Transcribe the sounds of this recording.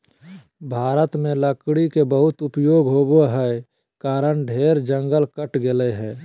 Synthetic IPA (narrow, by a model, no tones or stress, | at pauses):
bʱaːɾət̪mẽləkɽikebəɦʊt̪ʊpjoːɡɦoːboɦɛ | kaːɾəɳɖʱeːɾd͡ʒə̃ŋɡəlkəʈɡɪleɦɛ̃ː